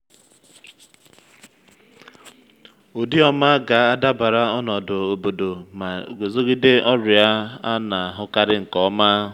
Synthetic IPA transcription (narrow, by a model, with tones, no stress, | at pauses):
o˨di˦ɔ˦ma˦ɡa˨˦a˦da˦ba˨ɾa˦ɔ˦nɔ˨dʊ˨o˨bo˨do˨ma˨ɡo˨zo˦ɡi˦de˦ʔɔ˦ɾʊ˨ja˦a˦na˨a˨ɦʊ˦ka˦ɾɪ˦ŋ̩˨kɔ˦ma˦